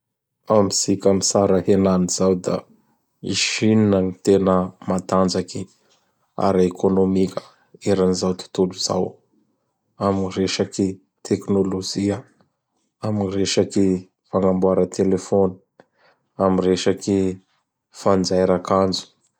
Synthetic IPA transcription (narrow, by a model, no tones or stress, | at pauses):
amizikʲamisaɾəhenaniz̥awd̪a̰ | ḭʃininanit̪enəmat̪and͡zaki | a̰ɾekʰonomikʲə̥ | eɾanizawt̪u̥t̪uluza̰w | aminireʃaki | t̪ʰeknolod͡ʒiə | aminireʃaki | faŋambuaɾət̪ʰelefoni̥ | amireʃaki | fand͡ʒajɾakand͡zu̥